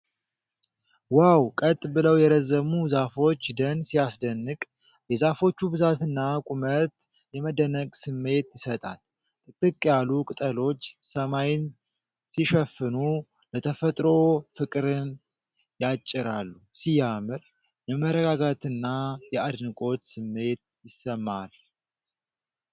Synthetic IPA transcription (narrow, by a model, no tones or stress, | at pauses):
wawkʼət̪ʼːbɨləwjɛɾəzəmuzafo̞t͡ʃːd̪ənsijasd̪ənːɨkʼ | jɛzafo̞t͡ʃːubɨzat̪ɨnːakʼumət̪ | jɛməd̪ənəɡʼsɨmːe̞t̪jɪsət̪ʼa̰l | t̪ʼɨt̪ʼːɨkʼːjalːukʼɨt̪ʼəlo̞t͡ʃːsəmajɪn | siʃɛfɨnu | lət̪ʰəfət̪ʼɾo̞fɨkʼɾɨn | jat͡ʃʼːɪɾa̰lːusijamɨɾ | jɛməɾəɡaɡat̪ɨnːajɛad̪nɨkʼo̞t̪sɨmːe̞t̪̚ | jɪsːəmːal